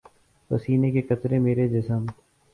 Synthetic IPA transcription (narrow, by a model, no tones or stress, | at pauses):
pəsiːnekekɐt̪ɾẽmeːɾed͡ʒɪsəm